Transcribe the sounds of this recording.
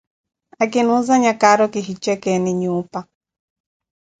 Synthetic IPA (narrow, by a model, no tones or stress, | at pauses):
akɪnʊzaɲakaɾɔkɪɦit͡ʃɛkɛnɪɲupa